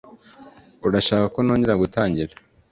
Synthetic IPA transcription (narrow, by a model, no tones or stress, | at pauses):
uɾaʃaːkako̞no̞ːɲɟeɾaɡutaːɲɟiɾa